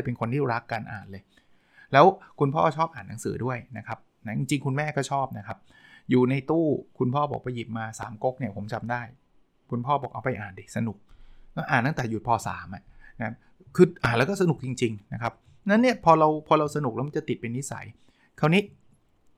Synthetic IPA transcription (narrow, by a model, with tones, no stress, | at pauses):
jpe˧nkʰo˧nt̪ʰiː˥˩ɾa˦˥kːa˧nʔa̰ː˨˩nlɤː˧j | lɛː˦˥wkʰu˧npʰɔː˥˩t͡ɕʰɔː˥˩p̚ʔaː˨˩nːa˩˦ŋsɯ̰ː˩˦du˥˩əjna˦˥kʰa˦˥p̚ | na˦˥t͡ɕi˧ŋt͡ɕi˧ŋkʰu˧nmɛː˥˩kɔː˥˩t͡ɕʰɔː˥˩p̚na˦˥kʰa˦˥p̚ | juː˨˩na˧jt̪uː˥˩kʰu˧npʰɔː˥˩bɔ̰ː˨˩k̚pa˧ji˨˩p̚maː˧sa̰ː˩˦mko˦˥k̚ni˥˩ɐpʰo˩˦mt͡ɕa˧mdaː˥˩j | kʰu˧npʰɔː˥˩bɔː˨˩k̚ʔa̰˧wpa˧jʔaː˨˩ndi˧˩sa˧nu˨˩k̚kɔː˥˩ʔaː˨˩nt̪ːa˥˩t̪ɛː˨˩ju˨˩t̪̚pʰɔː˧˩sa̰ː˩˦mʔa˨˩na˦kʰa˦˥ | kʰɯː˧ʔaː˨˩nlɛ˦˥wkɔː˥˩sa˧nu˨˩k̚t͡ɕi˧ŋt͡ɕi˧ŋna˦˥kʰa˦˥p̚ | na˦˥nːi˥˩ɐpʰɔː˧ɾa˧wpʰɔː˧ɾa˧wsa˧nu˨˩k̚ɛː˦˥ma˧˦t͡ɕa˨˩t̪i˨˩t̪̚pe˧nːi˦˥sa̰˩˦j | kʰa˧˥˩wniː˦˥